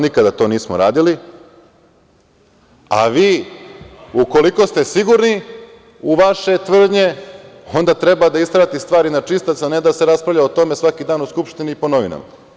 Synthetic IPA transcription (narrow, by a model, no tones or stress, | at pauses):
nikad̪at̪o̞niːsmoɾaːd̪ili | a̰ʋiː | uko̞liko̞st̪esiɡuɾni | uʋaʃe̞t̪ʋr̩d̪ɲe̞o̞nd̪at̪ɾe̞bad̪aist̪ɾat̪ist̪ʋaːɾinat͡ʂist̪at̪saned̪ase̞ɾaspɾavʎʲaot̪o̞me̞sʋakid̪aːnuskupʃt̪iniːpo̞noʋina̰ma̰